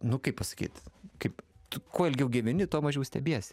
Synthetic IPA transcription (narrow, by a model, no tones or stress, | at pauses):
nʊkɐɪpɐsɐ̥kʲiːt̪kɐɪptʊkoːɛlʲɡʲɛʊɡʲiʋʲɪnʲɪt̪uɔmɐʒʲɛʊsʲt̪ʲɛbʲiɛsʲ